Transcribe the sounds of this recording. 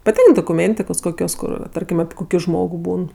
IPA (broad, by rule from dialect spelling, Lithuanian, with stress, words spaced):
pɐˈtʲɪŋk doːkʊˈmʲeːnʲtʲɪkoːs ˈkoːkʲoːs ˈkʊr ˈtɐrʲkʲɪm ɐpʲɪ ˈkoːkʲɪ ˈʒmoːɡʊ ˈbuːn